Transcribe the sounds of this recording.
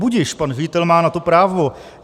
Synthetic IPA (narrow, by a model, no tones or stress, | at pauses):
buɟɪʃpanʒɪɟɪt̪ɛlmaːnat̪opɾaːvo